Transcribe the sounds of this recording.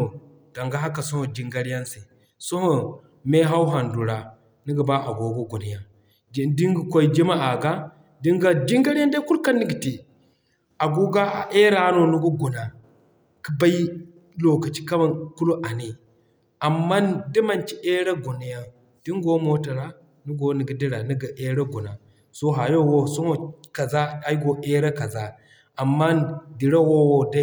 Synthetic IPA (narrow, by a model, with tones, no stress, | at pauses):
o˨ | d̥a˨ŋɡa˦ɦa˦ka˨so˦ho˨d͡ʒi˨˦ŋɡa˦ɾi˦ja˦nse˨ | so˦ho˨ | me˦ɦa˦wɦa˨ndu˨ɾa˨ | ni˦ɡa˨ba˦ʔa˨ɡo˨ɡo˦ɡu˨ni˨ja˨ | di˦ŋɡi˨kʷo˦i˦d͡ʒi˦ma˦ʔa˨ɡa˦ | di˦ŋɡa˦d͡ʒi˦ŋɡa˦ɾi˦ja˦nda˦ku˦lka˦nːi˦ɡi˨ti˨ | a˨ɡu˦ɡa˦a˨ʔe˦ɾa˨˦no˨nu˦ɡo˦ɡu˨na˨ | ki˦ba˦j | lo˨ka˨t͡ʃi̥˦ka˦ba˨ku˦lu˦ʔa˨ni˨ | a˨mːa˦n˦di˦ma˨nt͡ʃi˦ʔe˦ɾa˦ɡo˨na˨ja˨ | d̥i˦ŋ˦ɡo˦mo˦ta˨ɾa˦ | nu˦ɡo˨ni˨ɡi˨˦di˦ɾa˨ni˦ɡa˨ʔe˦ɾa˦ɡu˨na˨ | so˦ɦa˨jo˦˨wo˦so˦ŋo˦ka˨za˦a˨˦ɡo˨ʔe˦ɾa˦ka˨za˦ | a˨mːa˦di˨ɾa˦wo˦wo˦da˦